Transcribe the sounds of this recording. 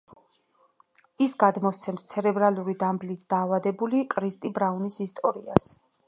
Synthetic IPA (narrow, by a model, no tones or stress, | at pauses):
isɡad̪mɔst̪sʰɛmst̪sʰɛɾɛbɾaluɾid̪amblit̪ʰd̪̥aːvad̪ɛbulikʼɾist̪ʼibɾaunisist̪ʼɔɾia̰s